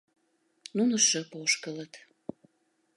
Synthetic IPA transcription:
nunəʃəpoʃkələt̪

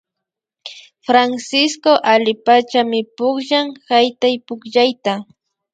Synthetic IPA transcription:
fɾansɪskoʔalɪpat͡ʃamɪpʊkʒaŋhajt̪ajpʊkʎajt̪a

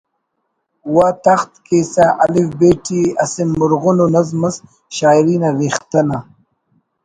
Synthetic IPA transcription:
wat̪axt̪kesaʔalifbeːʈʰiɐsimːʊɾɣʊnonazmɐs | ʃaːjɾiːnaɾixt̪ɐna

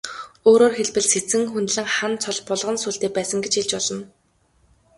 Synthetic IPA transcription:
oːɾoːrxeɮpɘ̆ɮset͡sɘ̆ŋxunt̪ɮɘ̆ŋχant͡sʰɔɮpɔɮʁə̆nsuːɮɬt̪eːpæːsə̆ŋɡet͡ɕxeɮt͡ɕpɔɮɞ̆n

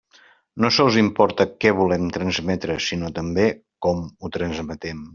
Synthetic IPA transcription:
nosəlˠzimpɔɾt̪əkɛβulɛmt̪ɾənzmɛt̪ɾəsinot̪əmbe | kɔmut̪ɾənzmət̪ɛm

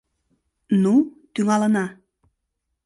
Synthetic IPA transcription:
nut̪yŋɑlɤ̆nɑ

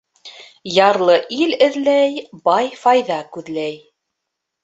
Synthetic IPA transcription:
jɑɾlˠɤʔilɘ̆ðlæjbɑjfɑjðɑkʉðlæj

